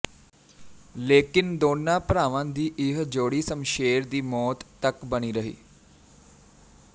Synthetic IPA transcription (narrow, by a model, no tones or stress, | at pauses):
leːkɪnd̪oːnːapɾaːʋãnd̪iːʔɪɦd͡ʒoːɽiːsəmʃeːɾd̪iːmɔːt̪ːəkbəñiːɾəɦḭː